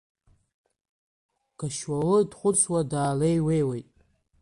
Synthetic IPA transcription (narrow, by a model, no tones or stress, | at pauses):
ɡ̥aʃwalɨdχʷʊt͡sʰwadaːlejwe̞jwejtʼ